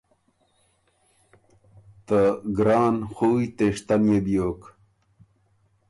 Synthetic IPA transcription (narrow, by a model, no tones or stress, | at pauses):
t̪əɡɾɑːnxuːjt̪eʂt̪anjebijoːk